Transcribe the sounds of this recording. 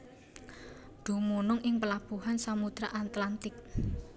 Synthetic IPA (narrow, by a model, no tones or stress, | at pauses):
d̪̥ṳmunʊŋʔɪŋpəlab̥ṳhansamud̪ɾaʔat̪lant̪ɪk̚